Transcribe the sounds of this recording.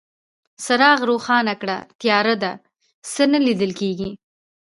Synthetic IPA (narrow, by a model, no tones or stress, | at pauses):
saɾɑɣɾoxɑnakɽa̰t̪jɑɾad̪a | sənəlid̪əlkeɡi